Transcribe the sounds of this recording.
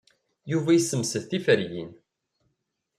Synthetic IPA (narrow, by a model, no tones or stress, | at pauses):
juvæjsəmsəðθifəɾjḭn